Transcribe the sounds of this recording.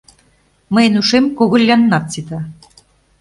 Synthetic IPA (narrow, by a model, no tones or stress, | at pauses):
məjenuʃemkoɣŏlʲːɑnːɑt̪̚t͡sit̪ɑ